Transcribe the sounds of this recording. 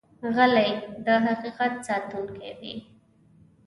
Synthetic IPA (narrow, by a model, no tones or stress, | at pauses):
ɣəlajd̪əɦaqiqat̪sɑt̪unkḛwḭ